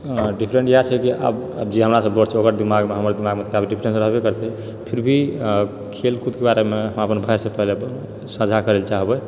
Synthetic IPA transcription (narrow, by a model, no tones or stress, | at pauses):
ɖipʰɾẽɳʈjat͡ʃʰɛkiʔa̰bəbd͡ʒeɦəmɾasəbbəɾt͡ʃʰɛokəɾd̪imaɡmeɦəməɾd̪imaɡmet̪ʰkabʱiɖipʰɾẽnsɾəɦbekəɾt̪ɛ | pʰiɾbʱi | kʰelkud̪kebaɾemeɦəməpənbʱajsẽpəɦle | səd͡ʒʱakəɾelt͡ʃaɦbɛ